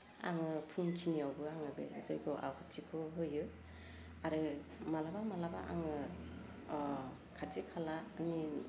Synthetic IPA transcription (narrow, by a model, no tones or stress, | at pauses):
a̰ŋɯpʰɯŋkʰiniawbɯaŋɯbḛzojɡɔʔa̰wkʰɯtʰikʰɔɦojɯ | aɾɯmalabamalaba̰ʔa̰ŋɯ | kʰatekʰalaːni